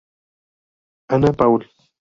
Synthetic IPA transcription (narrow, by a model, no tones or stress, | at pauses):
anapawl